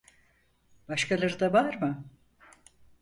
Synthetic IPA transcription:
b̥aʃkʰalˠaɾɯd̪avaɾmɯ

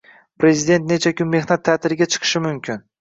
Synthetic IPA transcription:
pɾe̞zɪd̪e̞nt̪̚ne̞t͡ʃʰakʰʲʊmːe̞hnat̪ʰːat̪ɪɾɪɡʲat͡ʃʰɨ̥qʰɨ̥ʃɪmʊmkʲʰɪn

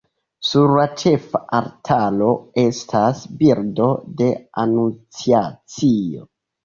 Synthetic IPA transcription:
suɾlat͡ʃe̞faʔaɾtʰalo̞e̞stʰasbiɾdo̞de̞anunt͡siat͡sio̞̰

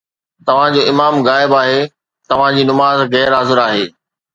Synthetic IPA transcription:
t̪ɐʋ̤ãd͡ʑoːɪmaːmɣaːɪbaːɦe | t̪ɐʋ̤ãd͡ʑiːnʊmaːzɣɛːɾɦazɪɾaːɦeː

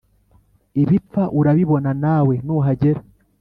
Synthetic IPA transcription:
iβip͡ffaʔuɾaβiβo̞nanawe̞nuɦaɟeɾa

